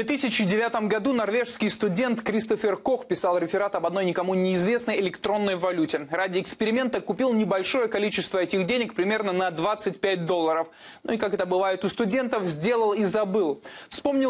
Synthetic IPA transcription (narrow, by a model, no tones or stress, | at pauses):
vʲet̪ɨsʲɪt͡ɕɪdʲɪvʲat̪əmɡɐd̪unɐrvʲe̞ʂskʲɪjst̪ʊdʲe̞nt̪kɾʲist̪əfʲɪrko̞xpʲɪsɑlˠɾʲɪfʲɪɾat̪ɐbɐd̪no̞jnʲɪkɐmojnʲɪːzvʲe̞snəjɪlʲɪkt̪ɾo̞nːəjvɐlʲutʲɪradʲɪɪkspʲɪɾʲɪmʲe̞nt̪əkʊpʲilˠnʲɪbɐlʲʂo̞jəkɐlʲit͡ɕɪst̪vəɛtʲɪɣdʲenʲɪkpɾʲɪmʲe̞rnənɐd̪vat̪sɨt̚ʲpʲæt̚ʲd̪o̞lˠːəɾəf | nuikakɛt̪əbɨvajɪt̪ʊst̪ʊdʲe̞nt̪əfzʲdʲe̞lˠəlˠizɐbɨlˠfspo̞mnʲɪl